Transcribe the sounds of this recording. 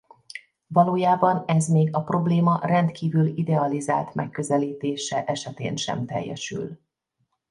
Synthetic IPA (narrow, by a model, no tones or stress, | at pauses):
vɒloːjaːbɒnɛzmeːɡɒpro̞bleːmɒrɛnt̪kiːvylid̪ɛɒliza̰ːlt̪mɛkːø̞zɛliːt̪eːʃɛʔɛʃɛt̪ḛːnʃɛ̰mt̪ɛ̰jːɛ̰ʃy̰l